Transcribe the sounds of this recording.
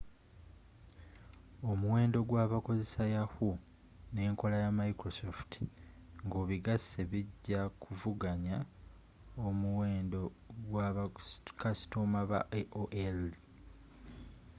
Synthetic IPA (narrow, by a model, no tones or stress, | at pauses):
o̞muwe̞ːndo̞ɡwaːβako̞ze̞sajahu | ne̞ːŋko̞lajamajikɾosofti̥ŋɡoːβiɡasːe̞βiɟːakʰuvuɡaɲa | omuweːndo | ɡwaβkasi̥tomaβa̰ʔeʔoʔel